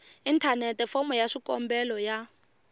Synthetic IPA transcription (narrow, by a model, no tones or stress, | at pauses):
intʰanɛtɛfɔmɔjaʂikɔmbɛlɔja